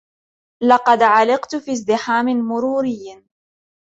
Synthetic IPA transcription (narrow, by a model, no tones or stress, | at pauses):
lɑqɑd̪ʕalɪqt̪fiːzd̪ɪħaːmɪmʊɾuːɾɪjː